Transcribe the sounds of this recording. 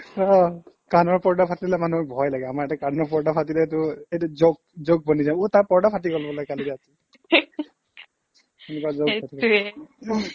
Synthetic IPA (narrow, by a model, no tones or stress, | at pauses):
ɔ | kanɔɹpɔɹdapʰatililɛmanuɔbʱɔjlaɡɛamaɹɛtakanɔɹpɔɹdapʰatilɛtʊejuzoɡ̚ | zoɡ̚bɔnizãʊ̃utaɹpɔɹdapʰatikɔlbɔlɔjkalidɛasi | ɛnɛkuazoɡpati